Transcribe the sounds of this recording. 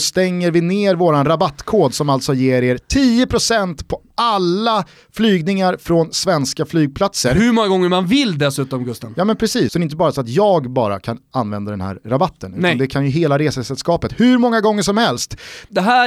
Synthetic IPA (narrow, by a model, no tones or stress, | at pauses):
st̪ɛŋːəɾvɪneːɾvoːɾanɾabat̪ːkʰoːd̪sɔmalt̪sɔjeːɾeːɾt̪ʰiːəpʰɾʊsɛnt̪pʰɔ | alːa | flyːɡnɪŋaɾfɾɔnsvɛnskaflyːɡ̚pʰlat̪səɾhɵɾmɔŋːaɡɔŋːəmanvɪld̪ɛsʉ̟ːt̪ɔmɡɵst̪anjɑːmɛnpʰɾɛsiːssɔd̪ɛɾɪnt̪̬əbɑːɾasɔat̪jɑːɡbɑːɾa̰kʰananvɛnd̪ad̪ɛnɦæ̰ːɾːabat̪ʰːənʉːand̪ɛkʰanjɵɦeːlaɾeːsəsɛlskɑːpət̪hɵɾmɔŋːaɡɔŋːəʂɔmhɛlst̪d̪ɛɦæ